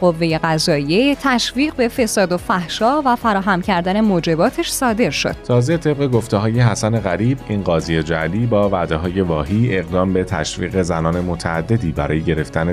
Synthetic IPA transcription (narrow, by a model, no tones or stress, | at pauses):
ɢo̞vːe̞je̞ɣæzɒːijet̪ʰæʃviːɢbe̞fe̞sɒːd̪ofæhʃɒːvæfæɾɒːɦæmcʰæɾd̪æne̞moːd͡ʒe̞bɒːt̪ʰeʃsɒːd̪e̞ɾʃo̞̰d̪̥t̪ʰɒːze̞t̪ʰe̞b̚ɣe̞ɡo̞ft̪eɦɒːje̞ɦæsæne̞ɣæɾiːbiːnɢɒːzijed͡ʒæliːbɒːvæd̪eɦɒːje̞vɒːɦiːe̞ɣd̪ɒːmbe̞t̪ʰæ̰ʃvḭːɣe̞zænɒːne̞mot̪ʰæ̰ːd̪ːe̞d̪iːbæɾɒːjeɟe̞ɾe̞ft̪ʰæne